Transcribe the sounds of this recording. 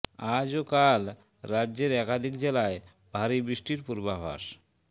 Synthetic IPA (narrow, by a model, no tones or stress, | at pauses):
ad͡ʑokal | ɾadːd͡ʑeɾɛkad̪ʱikd͡ʑelae | b̥ʱaɾibɾiʃʈiɾpuɾbabʱa̰ʃ